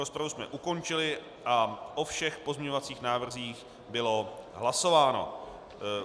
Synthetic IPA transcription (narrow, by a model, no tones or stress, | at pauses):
ɾospɾavusmɛ̰ʔuko̞nt͡ʃɪlɪ | ʔaʔofʃɛxpozmɲɛɲovat͡siːxnaːvr̩ziːx | bɪlo̞ɦlaso̞vaːno̞̰